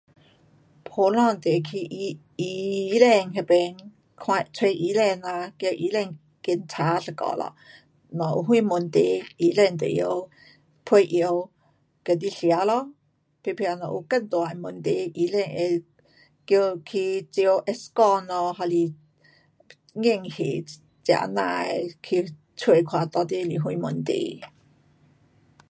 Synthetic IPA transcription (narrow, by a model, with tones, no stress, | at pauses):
pʰo˨˧˦lɔ̃˥˧˨nt̪e˨kʰi˧ʔ | i˧lɛ˧˨ŋɦɛ˧pɛ˧n | kʰwa˧t͡sʰwe˧ʔi˧˦lɛ˥˧na˧kjə˧ʔi˧˦lɛ˥˧˨ŋ | ki˧nt͡sʰa˨˦ɬə˧kɔ̰˧˨lɔ̰˧˨ | nɔ˨˩ʔṵ˧ɦwu˥˧mu˨nt̪e˧˦i˧˦lɛ˥˧˨nt̪ḛ˨jo˧ | pʰwe˧ʔi˧ə˧w | kə˨˧˩t̪i˧ɬja˨˧˦lɔ˧˦ | pʰe˧pʰja˧nɔ̰˨ʔu˧kə˥˨nt̪wa˨mʊ˧˨nt̪e˧ʔi˧˦lɛ˧˨ŋe˧ | kjo˧kʰi˧t͡si˧ə˧wʔɛ˧skɔ˧nɔ˧ɦa˧li˧ | ŋe˥˧˨ŋhe˨ | t͡sja̰˧˩˨nã̰˧˨kʰi˧ | t͡sʰwe˧˨kʰwa˧t̪ɔ˧t̪e˧˦˧li˨ɦwũ˧˨mʊ˧˨nt̪ḛ˧˦